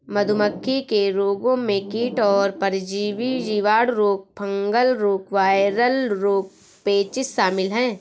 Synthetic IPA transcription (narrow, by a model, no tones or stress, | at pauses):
mɐd̪ʱʊməkʰːikeɾoːɡõmẽkiːʈɔːɾpɐɾɪd͡ʒiːʋijiʋaːɽɾoːk̚pʰɐ̃ŋɡəlɾoːkʋaːɪɾəlɾoːk̚ | peːt͡ʃɪsʃaːmɪlɦɛ̃ː